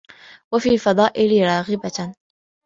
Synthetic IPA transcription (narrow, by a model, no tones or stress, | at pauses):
wafiːalfɑd̪ˤɑːʔɪlɪɾˤɑːɣɪba